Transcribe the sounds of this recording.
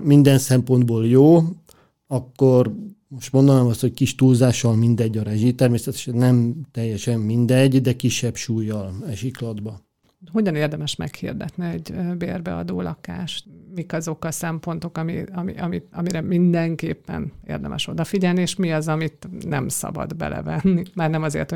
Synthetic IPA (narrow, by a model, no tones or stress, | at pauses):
mind̪ɛnsɛmpo̞nd̪boːljoː | ɒkːormoʃt̪mond̪onaːmɒst̪ho̞c̚kiʃt̪uːlzaːʃɒlmind̪ɛɟːɒɾɛʒit̪ɛrmeːsɛt̪ɛ̥ʃɛnːɛmt̪ɛjːɛʃɛmːind̪ɛɟd̪ɛkiʃːɛbʃuːjːɒlɛʒiklɒd̪bɒ | ɦo̞ɟɒneːrd̪ɛmɛʃmɛ̰khḭrd̪ɛt̪niɛɟbeːrbɛ̰ɒ̰d̪oːlɒkaːʃt̪mikɒzo̞kɒsɛmpo̞nt̪o̞kɒmiɒmḭʔɒmit̪ɒmiɾɛmind̪ɛŋkeːpːɛ̰nḛːrd̪ɛ̰mʔɛ̰ʃo̞d̪ɒfiɟɛlnieːʃmiɒzɒmit̪nɛmsɒ̰bɒ̰d̪bɛ̰lʔɛ̰vɛnːimaːrnɛmɒzḛːrt̪ho